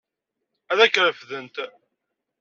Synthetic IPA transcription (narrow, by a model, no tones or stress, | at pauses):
æðækːɾəfðənt̪